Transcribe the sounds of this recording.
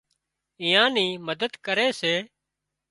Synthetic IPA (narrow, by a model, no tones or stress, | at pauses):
ĩːãːniːməd̪əd̪kəɾeːseː